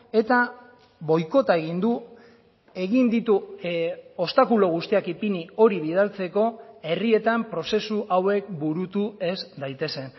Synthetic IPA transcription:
e̞t̪a | βo̞jko̞t̪ae̞ɣ̞ind̪u | e̞ɣind̪it̪u | o̞st̪akuloɣ̞ust̪iakipinio̞ɾiβ̞ið̞alt͡se̞ko̞e̞rie̞t̪ampɾo̞se̞suʔawe̞k̚buɾut̪ue̞zd̪ajt̪e̞se̞n

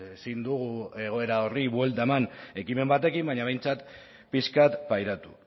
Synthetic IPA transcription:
esind̪uɣ̞ue̞ɣo̞e̞ɾao̞riβwe̞lt̪aemane̞kime̞mbat̪e̞kimbaɲaβ̞e̞jnt͡sat̪ | piskat̪pajɾat̪u̥

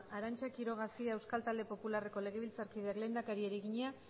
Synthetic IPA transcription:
aɾant͡ʃakiɾo̞ɣ̞asiaewskalt̪ald̪e̞po̞pulare̞ko̞le̞ɣe̞β̞ilt͡saɾkiðeakle̞nd̪akaɾieɾiɣiɲea

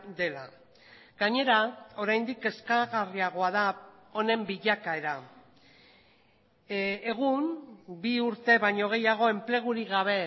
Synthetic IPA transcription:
d̪e̞la | ɡaɲe̞ɾao̞ɾajnd̪ike̞skaɣariaɣo̞aða | o̞ne̞mbiʎakae̞ɾa | eɣ̞umbiuɾt̪e̞βaɲo̞ɣ̞e̞jaɣ̞o̞e̞mple̞ɣ̞uɾiɣaβ̞e̞

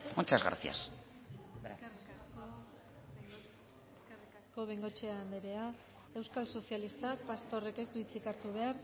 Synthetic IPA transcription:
ont͡ʃazɣa̰ɾθia̰s | r | sko̞βeŋɡo̞t͡ʃeaːnd̪eɾe̞a | e̞wskalso̞sjalist̪ak̚past̪o̞re̞ke̞st̪uit͡sikaɾt̪uβ̞e̞aɾ

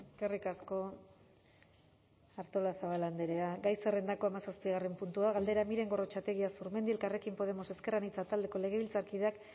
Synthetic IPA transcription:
eskerikasko̞ | aɾt̪o̞lasaβaland̪eɾeaɡajsere̞nd̪ako̞amasaspiɣare̞mpunt̪uaɣald̪e̞ɾamiɾe̞ŋɡo̞ro̞t͡ʃat̪eɣiasuɾme̞nd̪ilkare̞kimpo̞ðe̞mo̞se̞ske̞ranit͡sat̪ald̪e̞ko̞le̞ɣ̞e̞βilt͡saɾkiðeak

